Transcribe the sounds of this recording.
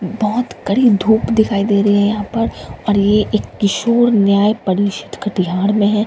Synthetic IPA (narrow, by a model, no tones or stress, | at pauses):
bɔɦʊt̪kɐɽid̪ʱuːpd̪ɪkʰaːid̪eːɾɐiɦɛ̃jɐɦãpɐɾɔːɾjeʔeːkːɪʃoːɾnjaːjpɐɾiːʃɪ̥t̪kɐʈiɦaːɾmẽɦɛ̃ː